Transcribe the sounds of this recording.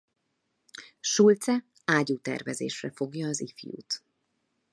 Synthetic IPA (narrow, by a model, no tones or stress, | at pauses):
ʃult̪sɛ | aːɟuːt̪ɛ̰rvɛzḛːʃrɛfo̞ɡjɒːzifjṵːt̪